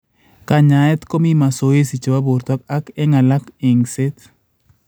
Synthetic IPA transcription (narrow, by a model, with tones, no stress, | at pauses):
ka˦ɲa˨ɛ˦t̪ko˦mi˦ma˨so˨e˦si˨t͡ʃo˨wa˦bo˨ɾt̪ɔ˦k̚a˦kɛ˦ŋa˨la˦ke˨ŋse˦t̪